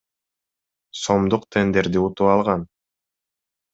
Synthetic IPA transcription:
so̞md̪uqt̪ʰe̞nd̪e̞ɾd̪iut̪uɑlˠʁɑn

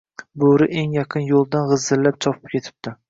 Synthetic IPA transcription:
boɾɪʔeŋjaqʰɨnjolˠd̪anʁɨzːɪlːap̚t͡ʃʰɒpʰɪ̥p̚kʲe̞t̪ʰɪ̥p̚d̪ɪ

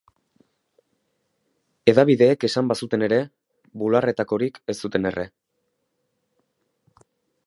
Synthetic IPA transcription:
e̞ðaβ̞iðe̞ːke̞sambasut̪e̞ne̞ɾe̞ | βulare̞t̪ako̞ɾike̞st̪ut̪e̞ne̞re̞

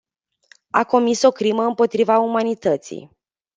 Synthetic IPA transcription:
ako̞miso̞kɾiməɨmpo̞t̪ɾivaumanit̪ət̪sḭj

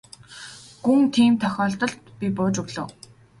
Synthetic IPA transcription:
ɡuŋt̪ʰiːmt̪ʰœxʲɔːɬt̪ɞ̆ɮt̪pʲipʊːt͡ɕʊɣɮə̆w

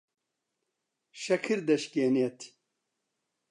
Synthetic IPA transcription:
ʃɐkʰɨɾd̪ɐʃkeːnet̪ʰ

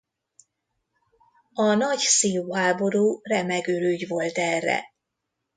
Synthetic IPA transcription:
ɒnɒɟsijuːɦaːbo̞ɾuːrɛmɛɡøɾyːɟvo̞lt̪ɛrːɛ̰

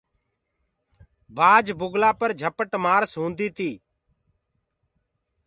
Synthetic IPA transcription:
baːd͡ʒbʊɡlaːpəɾd͡ʒʱəpəʈmaːɾsɦũːnd̪iːt̪iː

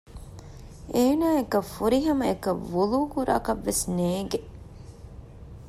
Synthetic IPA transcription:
ʔeːnaːekɐfuɾiɦɐmɐekɐʋuluːkuɾa̰ːkɐʋːesneːɡe

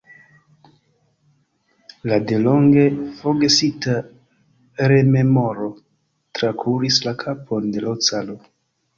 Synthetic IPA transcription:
lade̞loŋɡe̞foɡesita | ɾe̞me̞moɾo̞ | tɾakʰuɾislakʰapʰo̞nde̞laot͡salo

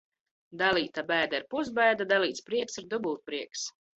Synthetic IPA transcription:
d̪alˠiːt̪abɛjd̪aiɾpuzbɛjd̪ad̪alˠiːt̪spɾiɛksiɾd̪ubulˠt̪̚pɾiɛks

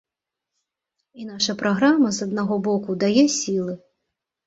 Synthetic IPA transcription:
inaʂɐpɾaɣɾamɐzɐd̪naɣɔbɔkud̪ajɛsʲilˠɨ

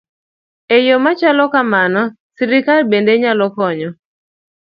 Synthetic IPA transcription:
ejomat͡ʃalɔkamanɔ | siɾɪkalbendeɲalɔkɔɲɔ

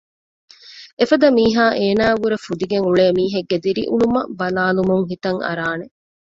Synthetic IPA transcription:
efɐd̪ɐmiːɦaːʔeːnaːɡuɾefud̪iɡeŋuɭeːmiːɦeɡːed̪iɾḭʔunumɐ̰bɐlaːlumuŋɦit̪ɐŋɐ̰ɾaːne

